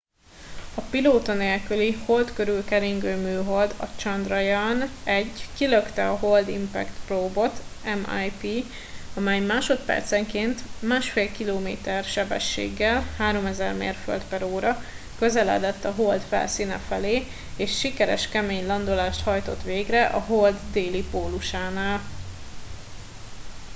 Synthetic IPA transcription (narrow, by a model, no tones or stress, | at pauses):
ɒpiloːt̪ɒneːlkyliho̞lt̪kø̞ɾylkɛɾiŋɡøːmyːɦo̞ld̪ɒ̰t͡ʃɒnd̪rɒjanɛɟːkiløkt̪ɛɒɦo̞ld̪impɛ̰kt̪proːbo̞t̪ɛma̰jpiː | ɒmɛjmaːʃo̞t̪pɛ̰rt̪sɛŋkeːnt̪maːʃfeːlkiloːmeːt̪ɛrʃɛbɛ̰ʃːḛːɡːɛlhaːɾo̞mɛzɛrmḛːrfø̰lt̪pɛɾoːɾɒ | kø̞zɛlɛ̰d̪ɛt̪ːɒɦold̪fɛ̰lsiːnɛ̰fɛleː | eːʃːikɛɾɛ̰ʃkɛmeːɲlɒnd̪olaːʃt̪hɒjt̪o̞t̪ʋeːɡrɛʔɒɦo̞ld̪ːeːlipoːluʃaːnaːl